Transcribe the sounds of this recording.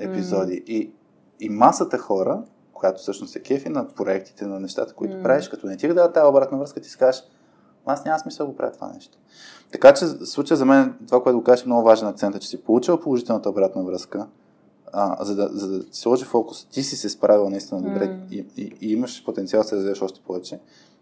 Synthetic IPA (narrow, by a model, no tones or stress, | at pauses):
ɛpizɔd̪iʔiː | masət̪əxɔɾə | kojat̪o̥fsɤʃnʊsɛk̟ɛfinɐpɾoɛk̚t̪i̥t̪ɛnɐnɛʃt̪a̰t̪ə̥koit̪opɾaviʃkɐt̪ɔnɛt̪ʲiɣd̪aət̪ːajobɾat̪nəvɾɤskət̪i̥si̥kazəʃ | asnʲamɐsmisəlˠd̪ɡopɾa̰vjət̪ova̰nɛ̰ʃt̪o̥ | t̪ɐkat͡ʃɛslˠut͡ʃiəzɐmɛnɛt̪ovakoɛt̪ʊɡokazəʃɛmnɔɡʊvaʒɛnɐkt̪sɛnt̪ət͡ʃɛ̥sipolˠut͡ʃilˠəpolˠoʒit̪ɛlˠnət̪əoːbɾat̪nəvɾɤskə | zɐd̪ɐzɐd̪ɐt̪i̥slˠɔʒifɔkʊ̥st̪isisɛspɾʔavilˠnɐist̪inəd̪obɾɛiiiiməʃpot̪ɛnt̪sialˠd̪ɐsɛɾəzvivəʃɔʃt̪ɛ̥pɔvɛt͡ʃɛ